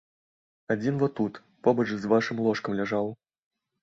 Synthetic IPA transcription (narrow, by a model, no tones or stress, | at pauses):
ad͡zʲinvɔt̪ut̪ | pɔbɐt͡ʂzvaʂɨmlˠɔʂkɐmlʲaʐaw